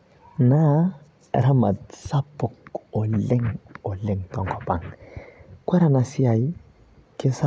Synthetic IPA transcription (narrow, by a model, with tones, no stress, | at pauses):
na˦˨ | ɾa˦ma˨d̪sa˦pːu˨ko˨le˦ŋo˨le˦˨ŋtɔ˨ŋkɔ˨pa̰˨ŋ | kʷa˦ɾa˨na˨si˦a˨ji˦ | ke˦sa˦